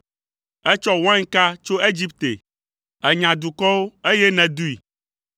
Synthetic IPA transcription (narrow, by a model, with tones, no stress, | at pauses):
ɛ˦t͡ʃɔ˦wã˦ŋ˦ka˦t͡ʃo˦e˦d͡ʑi˦pt̪ḛ˨ | ɛ˨ɲã˨d̪u˨kɔ˦wo˦e˦jɛ˦nɛ̃˨d̪u˦i˨